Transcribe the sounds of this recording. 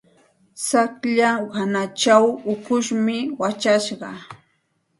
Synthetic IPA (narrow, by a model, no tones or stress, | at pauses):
sakʎawanat͡ʃawʊkʊʃmɪwat͡ʃaʃɢɑ